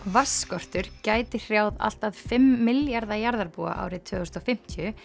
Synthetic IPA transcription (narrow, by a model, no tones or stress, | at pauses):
vasːkɔr̥t̪ʏɾ̥caːjt̪ɪr̥jaːwða̰l̥t̪aðfɪmːɪljaɾðajaɾðaɾpua̰ʔa̰ːwɾɪt̪ʰvʏːsɔfɪm̥t̪ʰjʏ